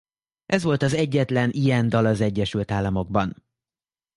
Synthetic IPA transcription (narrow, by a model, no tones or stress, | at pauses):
ʔɛzʋo̞lt̪ɒzɛɟːɛt̪lɛnʔiɛnd̪ɒlɒzɛɟːɛʃylt̪aːlːɒmo̞ɡ̚bɒn